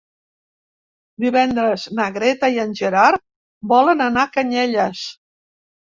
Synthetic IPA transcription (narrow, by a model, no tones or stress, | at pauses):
d̪iβɛnd̪ɾəznəɣɾɛt̪əiənʲʒəɾaɾ | bɔlənənakəɲɛʎəs